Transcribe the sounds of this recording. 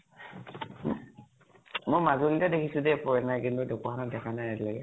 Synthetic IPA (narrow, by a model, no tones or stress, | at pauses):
mojmazolitadekʰisudɛpɔɹɛnajkintudekuaanadɛkʰanajatilaɡɛ